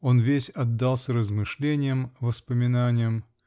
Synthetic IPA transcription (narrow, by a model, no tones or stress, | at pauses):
o̞nvʲesʲɐd̪ːalˠsʲəɾəzmɨʂlʲenʲɪjəmvəspəmʲɪnanʲɪjəm